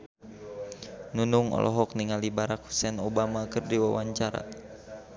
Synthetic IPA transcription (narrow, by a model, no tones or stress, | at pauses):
nunuŋɔ̰lʔɔɦɔk̚niŋalibaɾak̚hu̥sɛnobamakərdiwawaɲt͡ʃaɾa̰